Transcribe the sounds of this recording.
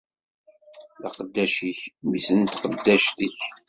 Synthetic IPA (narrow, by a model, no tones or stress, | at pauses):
ðɑ̰qəd̪ːæʃiçmisənt̪qəd̪ːæʃt̪əç